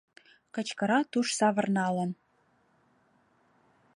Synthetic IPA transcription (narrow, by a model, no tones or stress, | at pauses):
kə̆t͡ɕkə̆ɾɑt̪uʃsɑβə̆rnɑlə̆n